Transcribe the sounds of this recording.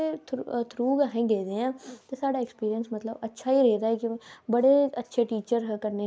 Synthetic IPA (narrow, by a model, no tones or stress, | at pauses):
et̪ʰɾuːɡaːɦẽːɡeːd̪ẽːãːtt̪eːsaːɖaːekspiːɾijənsmət̪ləbətːʃʰaːiːɾeːd̪aːɛːkjĩbəɽeːətːʃʰeːʈiːt͡ʃəɾɦkəɾne